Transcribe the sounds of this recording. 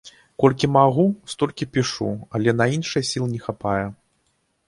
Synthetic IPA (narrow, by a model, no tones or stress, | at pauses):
kɔlʲkʲimaɣust̪ɔlʲkʲipʲiʂṵɐlʲɛnɐinʂɨjɛsʲilˠɨnʲɛxapajɛ